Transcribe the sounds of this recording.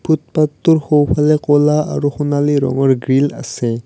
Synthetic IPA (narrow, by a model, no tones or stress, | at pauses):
bʱut̪̚pat̪ːuɹxowpʰalɛkolaa̰ɹuxunaliɾɔ̰ŋɔɹɡɹila̰sɛ